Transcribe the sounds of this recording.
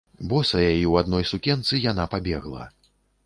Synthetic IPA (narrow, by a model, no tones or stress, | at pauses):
bɔsɐjajiwad̪nɔjsukʲɛnt̪sɨjanapabʲɛɣlˠɐ̰